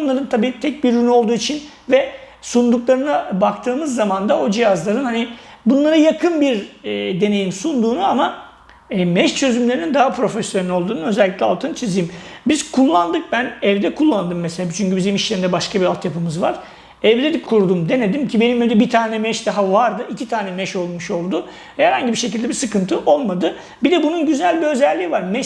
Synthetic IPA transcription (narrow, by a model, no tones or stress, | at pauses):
nlˠaɾɯnt̪ʰabiːt̪ʰɛc̚biɾynyo̞lˠd̪uːit͡ʃʰin | vɛsund̪uklˠaɾɯnabakt̪ʰɯːmɯzːamand̪ao̞d͡ʒijazlˠaɾɯnhanibunlˠaɾɯjakʰɯnbiɾd̪e̞ne̞jimsund̪uːnuama | mɛʃt͡ʃʰø̞zymlʲeɾinind̪aɦapʰɾo̞fesjonɛlo̞lˠd̪uːnunø̞zɛlʲːicʲlʲɛalˠt̪ʰɯnt͡ʃʰizijimbiz̥kʰulˠːand̪ɯk̚bænɛvd̪ɛkʰulˠːand̪ɯmːeselʲaːt͡ʃʰyɲcybizimiʃlʲeɾind̪ɛbaʃkabiɾalˠt̪japɯmɯzvaɾ̥ | ɛvd̪ed̪ɛkʰːuɾd̪umd̪e̞ne̞d̪imcʰibe̞nimed̪ɛbit̪ʰaːnɛmɛʃd̪aɦavaɾd̪ɯʔicit̪ʰaːnɛmɛʃolˠmuʃo̞lˠd̪u | vɛhæɾhaɲɟibiɾʃecʰild̪ɛbiɾsɯkɯnt̪ʰɯʔo̞lˠmad̪ɯ | bid̪ɛbununɟyzælʲbiø̞zɛlʲːiːvaɾmɛʃ